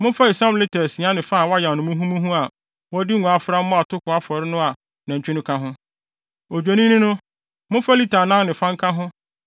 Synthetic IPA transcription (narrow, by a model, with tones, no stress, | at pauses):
mʊ̃˦fa˦i˨sã˦mlɪ˦tʰɛ˨sĩ˨a˦nɪ̃˨fa˦˨wa˦jã˨nʊ̃˨mʊ̃˦ɦũ˦mũ˦ɦũ˦a˨ | wɔ˦di˦ŋ̩˨ũ˨a˨fʊ˦ɾa˦mʊ̃˦a˨tʰʊ˦kʊ˨a˦fɔ˨ɾɪ˦nʊ̃˦a˨ | nã˨ɲ˨t͡ɕᶣʰi˦nʊ̃˦kʰa˦ɦʊ̃˦ | o˨d͡ʑᶣo˨nĩ˦nĩ˦nʊ̃˦ | mʊ̃˦fa˦li˦tʰa˨nã˦ŋnɪ̃˨fã˦ŋ̩˦kʰa˦ɦʊ̃˦